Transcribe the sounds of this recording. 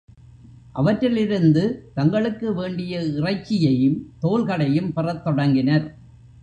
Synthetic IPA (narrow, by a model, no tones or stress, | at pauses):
ʔɐʋɐʈrɪlɪɾɯnd̪ɯt̪ɐŋɡɐɭɯkːɯʋeːɳɖɪjɐɪrɐɪt͡ʃːɪjɐjɯmt̪oːlɣɐɽɐjɯmpɪrɐt̪ːɔɽɐŋɡɪnɐɾ